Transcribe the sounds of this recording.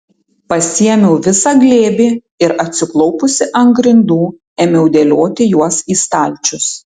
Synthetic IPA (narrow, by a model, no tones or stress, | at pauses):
pɐsʲiɛmʲɛʊʋʲɪsɐɡlʲeːbʲiː | ɪɾɐt̪ʲsʲɪklˠɔʊpʊsʲɪʔɐŋɡɾʲɪnd̪uː | ɛːmʲɛʊd̪ʲeːlʲoːt̪ʲɪjuɔsiːst̪ɑˑlʲˑt͡ʃʲʊs